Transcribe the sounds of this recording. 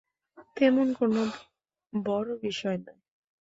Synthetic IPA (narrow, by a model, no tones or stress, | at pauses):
t̪emonkono | bɔɾobiʃɔenɔj